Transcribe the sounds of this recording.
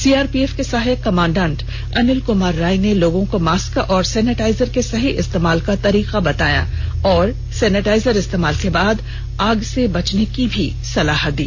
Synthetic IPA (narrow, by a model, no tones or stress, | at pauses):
siːaːɾpiefkesaːɦɪkɐmãːɳɖãːɳʈ | ɐnɪlkʊmaːɾːaːineloːɡõkomaːskaʔɔːɾsɛːnɪʈaːɪzəɾkesɐɦiʔɪst̪eːmaːlkat̪ɐɾiːqabɐt̪aːja̰ɔːɾ | sɛːnɪʈaːɪzəɾɪst̪eːmaːlkebaːd̪ | aːɡsebɐt͡ʃnekibʱi | sɐlaːɦət̪̚d̪ḭː